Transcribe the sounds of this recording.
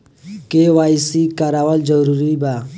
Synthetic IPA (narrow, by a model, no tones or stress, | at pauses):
keʋaːisikaɾaːwəld͡ʒəɾuɾiba